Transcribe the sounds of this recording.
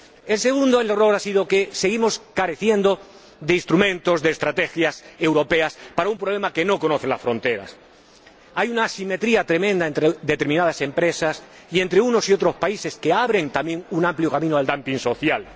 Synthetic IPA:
e̞lse̞ɣ̞ũnd̪oelero̞ɾasið̞o̞ke̞se̞ɣimo̞skaɾe̞θje̞nd̪o | ðe̞inst̪ɾumẽ̞nt̪o̞zðe̞ːst̪ɾat̪e̞xjase̞wɾo̞pe̞aspaɾaumpɾole̞make̞no̞ko̞noθe̞lasfɾo̞nt̪e̞ɾa̰s | ajunasime̞t̪ɾiat̪ɾe̞mẽnd̪ae̞nt̪ɾeðe̞t̪eɾmĩnað̞ase̞mpɾe̞sas | ie̞nt̪ɾeuno̞sio̞t̪ɾo̞spaise̞ske̞aβɾe̞ŋt̪amje̞ŋunãmpljo̞kamĩnoald̪ampiŋso̞θjal

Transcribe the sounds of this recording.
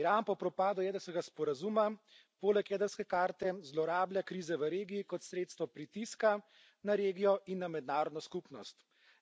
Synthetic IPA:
iɾaːnpɔpɾɔpaːd̪ɔjɛːd̪əɾskɛɡaspɔɾazuma | poːlɛkjɛːd̪əɾskɛkaːɾt̪ɛzlɔɾaːbljakɾiːzɛʋəɾeːɡiːkɔt̪sɾeːt̪st̪ʋɔpɾit̪iska | naɾeːɡijɔinːamɛd̪naːɾɔd̪nɔskupnɔst̪

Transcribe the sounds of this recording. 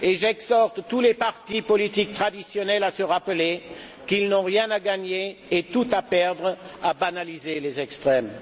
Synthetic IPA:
eʒɛɡzɔʁt̪ːulepaʁt̪ipɔlit̪ik̚t̪χad̪isjɔnɛlasəʁapəle | kilnɔ̃ʁjɛ̃naɡaɲeːt̪ut̪apɛʁd̪ʁ | abanalizelezɛkst̪χɛm

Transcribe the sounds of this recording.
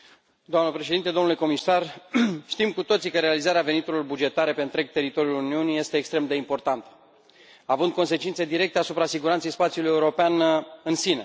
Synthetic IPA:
d̪oamnəpɾe̞ʃeint̪ed̪onule̞ko̞misarʃt̪imkut̪o̞t̪sikəɾe̞alizaɾeave̞nit̪uɾilo̞rbud͡ʒe̞t̪aɾe̞pe̞ɨnt̪ɾe̞ɡ̚t̪e̞ɾit̪o̞ɾjuluniunije̞st̪e̞ːkst̪ɾe̞md̪e̞impo̞rt̪ant̪ə̥ | avɨnd̪̚ko̞nse̞t͡ʃint̪se̞d̪iɾe̞k̚t̪easupɾasiɡuɾant̪se̞jspat̪siuluje̞uɾo̞peanɨnsine

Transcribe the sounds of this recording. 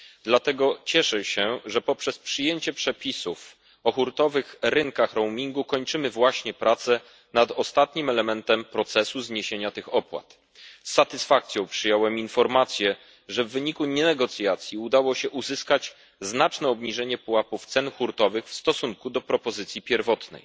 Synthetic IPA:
d̪lat̪ɛɡɔt͡ɕɛʂɛɕɛʐɛpɔpʂɛspʂɘjeɲt͡ɕɛpʂɛpʲisuf | ɔxuɾt̪ɔvɘxɾɘŋkaxɾɔwmʲiŋɡukɔɲt͡ʂɘmɘvwaɕɲɛpɾʔat̪sɛ | nad̪ɔst̪at̪ɲimɛlɛmɛnt̪ɛmpɾɔt̪sɛsuzɲeɕeɲat̪ɘxɔpwa̰t̪ | sːat̪ɘsfak̚t̪sʲjɔ̃w̃pʂɘjɔwɛminfɔɾmat̪sʲjɛ | ʐɛvːɘɲikuɲɛnɛɡɔt̪sʲjat̪sʲjiud̪awɔɕɛʔuzɘskat͡ɕ | znat͡ʂnɛɔbɲiʐɛɲɛpuwapuft̪sɛnxuɾt̪ɔvɘxfst̪ɔsuŋkud̪ɔpɾɔpɔzɘt̪sʲjipʲjɛɾvɔt̪nɛ̰j

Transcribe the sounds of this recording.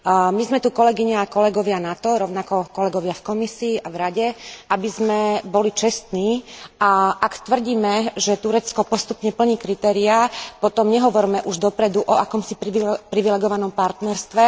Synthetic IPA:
mizmɛt̪ukɔlɛɡiɲaakɔlɛɡɔʋɪanat̪ɔɾɔʊnakɔkɔlɛɡɔʋɪafkɔmisiːʔavɾaɟɛabizmɛbɔlit͡ʃɛst̪niːaʔakt̪ʋr̩ɟiːmɛʒɛt̪uɾɛt͡skɔpɔst̪upɲɛpl̩ɲiːkɾit̪ɛːɾiapɔt̪ɔmɲɛɦɔʋɔɾmɛʔuʒd̪ɔpɾɛd̪uʔɔakɔmsipɾiʋipɾiʋilɛɡɔʋanɔmpaɾt̪nɛɾst̪ʋɛ

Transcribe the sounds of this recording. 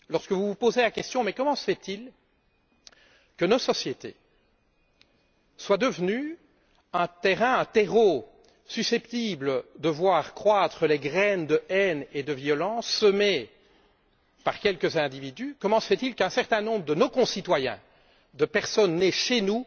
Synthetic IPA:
lɔʁskəvuvupozelakʲɛst̪jɔ̃mɛkɔmɑ̃sə̥fɛt̪il | kənɔsɔsjet̪ḛ | swad̪əvny | ɛ̃t̪eʁɛ̃ɛ̃t̪eʁo | sysɛpt̪ibləd̪əvwaːʁkχwat̪χəleɡʁɛnd̪əʔɛned̪əvjɔlɑ̃sːəme | paʁkʲɛlkəzɛ̃d̪ivid̪ykɔmɑ̃səfɛt̪ilkɛ̃sɛʁt̪ɛ̃nɔ̃bʁəd̪ənokɔ̃sit̪wajɛ̰̃ | d̪əpɛʁsɔnːɛʃenu

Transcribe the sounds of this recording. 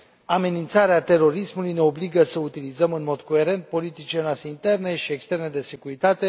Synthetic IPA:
ame̞nint̪saɾeat̪e̞ɾo̞ɾismulujne̞o̞bliɡəsəut̪ilizəmɨnmo̞d̪ko̞e̞ɾe̞nt̪̚po̞lit̪it͡ʃilenoast̪eint̪e̞rne̞ʃie̞kst̪e̞rne̞d̪e̞se̞kuɾit̪at̪e̞

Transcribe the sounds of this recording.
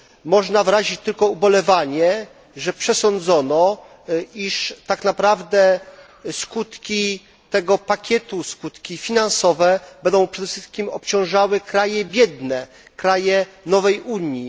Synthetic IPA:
mɔʐnavɾaʑit͡ɕt̪ɘlkɔubɔlɛvaɲɛ | ʐɛpʂɛsɔnd̪zɔnɔ | iʂt̪aknapɾavd̪ɛ | skut̪kʲi | t̪ɛɡɔpakʲɛt̪uskut̪kʲifʲinansɔvɛbɛnd̪ɔ̃w̃pʂɛd̪ɛfʂɘst̪̚kʲimɔp̚t͡ɕɔ̃w̃ʐawɘkɾajɛbʲjɛd̪nɛ | kɾajɛnɔvɛjuɲji

